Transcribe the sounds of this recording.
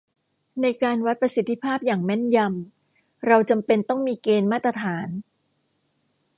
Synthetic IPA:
na˧jkaː˧nwa˦˥t̪̚pɾa˧si˨˦t̪ʰːi˧˩pʰaː˥˩p̚jaː˨˩ŋmɛ˥˩nja˧m | ɾa˧wt͡ɕa˧mpe˧nt̪ɔ˥˩ŋmiː˧keː˧nmaː˥˩t̪ːɾa˧t̪ʰaː˩˦n

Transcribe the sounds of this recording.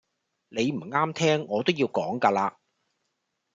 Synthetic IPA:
le˨˧jm̩˨˩ŋaː˥mt̪ʰɛː˥ŋːɔː˨˧t̪o˥wjiː˧wkɔː˨˥ŋkaː˧laː˧

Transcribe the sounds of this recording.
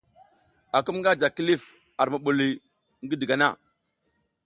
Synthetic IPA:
a˨ku˦mŋɡa˦d͡ʒa˨ki˦li˦˨f | a˨ɾma˨ɓu˨li˨ | ŋɡi˦di˨ɡa˨na˦˨

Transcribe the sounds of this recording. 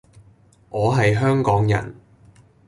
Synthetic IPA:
ʔɔː˨˧ɦɐ˨jɦœː˥ŋkɔː˨˥ŋjɐ̰˨˩n

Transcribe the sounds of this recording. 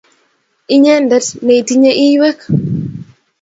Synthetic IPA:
i˦ɲɛ˦ndɛ˦tne˨i˨ti˦ɲe˦ʔi˦we˦k

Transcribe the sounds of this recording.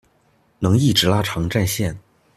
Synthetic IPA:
nɤ˧˥ŋi˥˩ʈ͡ʂɻ̩˧˥la˥ʈ͡ʂʰɑ˧˥ŋʈ͡ʂa˥˧nɕjɛ˥˩n

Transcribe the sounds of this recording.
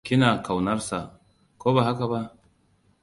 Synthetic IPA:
kʲɪ˦na˨ka˨wnɐ˦ɾsa˨ | koː˦ba˨ɦa˦ka˨ba˦

